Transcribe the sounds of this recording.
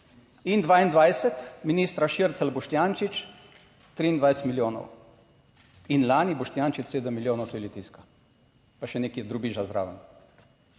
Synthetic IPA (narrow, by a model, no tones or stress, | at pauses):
ind̪ʋaːind̪ʋajsɛt̪miniːst̪ɾaʃiɾt̪salbɔʃt̪jaːnt͡ʃit͡ʃ | t̪ɾiːind̪ʋajsɛ̥t̪miljoːnɔ̰w | inlaːnibɔʃt̪jaːnt͡ʃit͡ʃ̪seːd̪əmːiljoːnɔwt̪oilit̪iska | paʃɛneːkiɛd̪ɾubiʒazɾa̰ːʋən